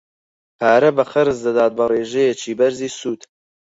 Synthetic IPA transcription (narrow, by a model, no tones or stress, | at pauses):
pʰaːɾɐbɐχɐɾɨzd̪ɐd̪aːt̪̚bɐreːʒɛjet͡ʃʰiːbɐɾziːsuːt̪